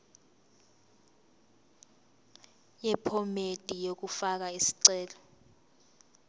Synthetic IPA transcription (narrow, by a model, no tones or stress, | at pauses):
jɛpʰɔmed̥ʱijok̬ufak̬aisi̥ǀɛːlɔ